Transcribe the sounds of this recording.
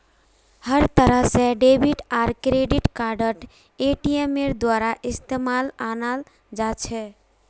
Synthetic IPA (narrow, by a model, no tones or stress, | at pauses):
həɾt̪əɾəɦsẽɖebʱiʈaɾkɾeɖiʈkaɾɖəʈ | eʈiemeɾd̪waɾaʔist̪emalanal | d͡ʒat͡ʃʰɛ